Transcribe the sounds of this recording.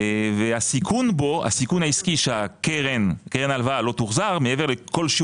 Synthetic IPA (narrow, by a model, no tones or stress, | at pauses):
veasikʰunboa̰sikunaiskiʃeakeʁɛnkeʁɛnalvalot̪uʁzaʁmeevɛʁlekolʃi